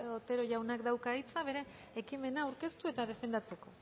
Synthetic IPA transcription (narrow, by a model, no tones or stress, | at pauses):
ot̪e̞ɾo̞ʝawnakd̪awkait͡saβ̞e̞ɾe̞ː | kime̞naːwɾke̞st̪ue̞t̪að̞e̞fe̞nd̪at͡se̞ko̞